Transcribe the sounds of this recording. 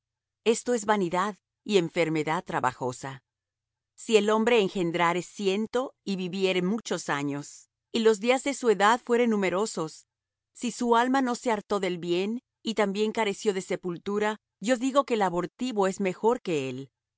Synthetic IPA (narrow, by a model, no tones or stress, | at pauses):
e̞st̪o̞e̞zβaniðað | ie̞ɱfe̞ɾme̞ðað̚t̪ɾaβa̰xo̞sa | sie̞lo̞mbɾeːŋxe̞nd̪ɾaɾe̞sje̞nt̪o̞iβiβje̞ɾe̞mut͡ʃo̞saɲo̞s | ilo̞zðiazðe̞sue̞ðaðfwe̞ɾenːume̞ɾo̞so̞sː | isualmano̞se̞aɾt̪o̞ðe̞lβje̞n | it̪ambje̞ŋkaɾe̞sjo̞ðe̞se̞pult̪uɾa | ɟ͡ʝo̞ðiɣo̞ke̞laβo̞ɾt̪iβo̞e̞zme̞xo̞ɾke̞el